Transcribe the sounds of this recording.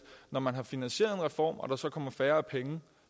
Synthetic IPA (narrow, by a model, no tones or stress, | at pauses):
nɒmænɦɑ̈finænɕe̝̰ɐðˠenʁɛfɒ̰ːmɒ̽ɾ̥ɑ̈sɒ̽kʰɒ̽m̰ɐfæːɐæpʰeŋə